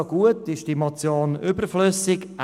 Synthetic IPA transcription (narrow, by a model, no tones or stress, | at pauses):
ɡ̥uətɪʃd̥imɔt͡sjoːnʏbəɾfløsɪk